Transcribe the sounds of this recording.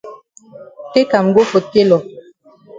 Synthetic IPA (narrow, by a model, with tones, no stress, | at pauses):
ke˦ka˨m˨ɡo˦fo˨ke˦lɔ˨